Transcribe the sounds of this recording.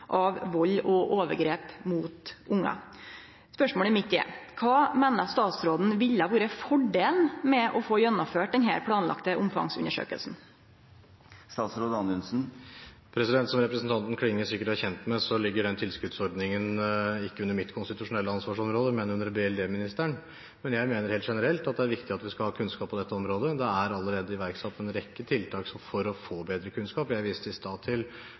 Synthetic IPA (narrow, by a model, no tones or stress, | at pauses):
ʔɑʋʋɔlːɔʔoːʋəɾɡɾeːpmuːt̪ʔʊŋːɑ̰ | spœʂmoːlɛmɪt̪ːjḛːkʰɑːmeːnɑst̪ɑːt̪sɾoːd̪n̩ʋɪʎːəɑʋuːɾəfɔɖeːlnmɛʔɔfoːjɛnːɔmføːʈ̚d̪ɛnɦæ̰ːɾpʰlɑːnlɑ̰kt̪əʔʊmfɑ̰ŋsʉ̰nːəʂø̰ːkə̰lsn̩ | st̪ɑːt̪sɾoːd̪əɑnʉnsn̩ | pʰɾɛsɪd̪ɛnt̪sɔmɾɛpɾəsn̩t̪ʰɑnt̪n̩kʰɽɪŋːəsɪkːəʈæçɛnt̪mɛsɔlɪɡːəɖɛnt̪ʰɪlskʉt̪sɔɾd̪nɪŋənɪkːəʉnːəɾmɪt̪kʰʊnst̪ɪt̪ʉʂʊnɛlːəɑnsʋɑːʂɔmɾoːd̪əmɛnʉnːəɾbeɛld̪eːmɪnɪst̪æɳ | mɛnjæɪmeːnəɾheːlt̪ʂɛnəɾɛlt̪ɑt̪̚d̪ɛæɾʋɪkt̪ɪɑt̪ʋɪskɑlhɑːkʰʉnskɑːpʰːɔd̪ɛt̪ːəɔmɾoːd̪əd̪ɛæɾɑlːəɾeːd̪əɪʋæɾksɑt̪ːɛnɾɛkːət̪ʰɪlt̪ʰɑːksɔmfɔɾɔfoːbeːd̪ɾəkʰʉnskɑːpjæɪʋiːst̪əɪst̪ɑːt̪ʰɪl